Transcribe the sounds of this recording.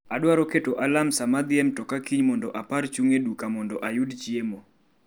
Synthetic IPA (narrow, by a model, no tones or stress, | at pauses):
adwaɾɔketoʔalamsamad̪ɪɛmtɔkakiɲmɔndɔʔapaɾt͡ʃuŋedukamɔndɔʔajudt͡ʃiemo